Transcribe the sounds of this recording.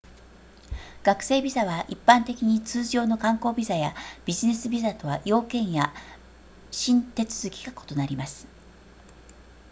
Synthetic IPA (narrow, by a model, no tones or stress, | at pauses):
ɡ̥akɯ̟̥se̞ːbʲizaβaʔipːãnt̪e̞kʲiɲ̟it͡sɨːʑo̞ːno̞kãŋko̞ːbʲizajab̥ʲiʑine̞sɨbʲizat̪o̞βajo̞ːkẽ̞ɰ̃ja | ɕĩnt̪e̞t͡sɨ̥zɨkʲi̥ɡako̥t̪o̞naɾʲimasɨ̥